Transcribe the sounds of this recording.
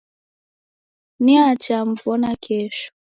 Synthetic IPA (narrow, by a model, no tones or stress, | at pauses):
niat͡ʃam̩vɔnakʰɛʃɔ̥